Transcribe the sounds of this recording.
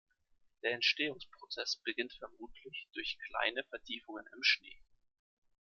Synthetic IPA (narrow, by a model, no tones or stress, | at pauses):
d̥eːɐɛntʃteːʊŋspʁ̥ot͡sɛsb̥əɡɪntfɛɐmuːtʰlɪçd̥ʊɐçkʰl̥a̰ɪnəfɛɐtʰiːfʊŋənɪmʃnḛː